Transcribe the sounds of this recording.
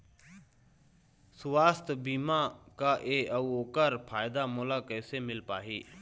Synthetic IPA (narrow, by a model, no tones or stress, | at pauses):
sʊʋaːst̪biːmãːkaːʔeːəuːoːkəɾpʰaːjd̪aːmoːlaːkɛːseːmɪlpaːɦiː